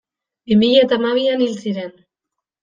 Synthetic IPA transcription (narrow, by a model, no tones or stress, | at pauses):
bimiʎat̪amaβ̞ianilsiɾen